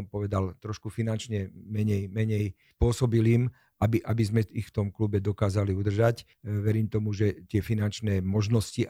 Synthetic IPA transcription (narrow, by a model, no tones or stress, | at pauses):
mpɔʋɛd̪alt̪ɾɔʃkufinant͡ʃɲɛmɛɲɛjmɛɲɛj | pʊɔsɔbiliːm | ʔabiʔabizmɛixft̪ɔmklubɛd̪ɔkaːzaliud̪r̩ʒac | ʋɛɾiːmt̪ɔmuʒɛt̪ɪɛfinant͡ʃnɛːmɔʒnɔsci